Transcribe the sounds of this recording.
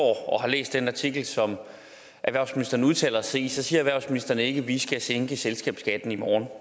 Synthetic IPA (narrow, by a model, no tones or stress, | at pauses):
ɒ̰ːɒ̽hɑ̈lḛːsd̥enɑ̈t͡sʰiɡ̥l̩sɒ̽m | ʔæʋæɐ̰sminisd̥ɐnəuð̞ˠt͡sʰɛ̰ːlɐse̝̰ːsɒ̽siːɐæʋæɐʊsminisd̥ɐnəe̝ɡ̥əʋisɡ̥æseŋɡ̥əselsɡ̥ɛ̰ːb̥sɡ̥æd̥n̩imɒːn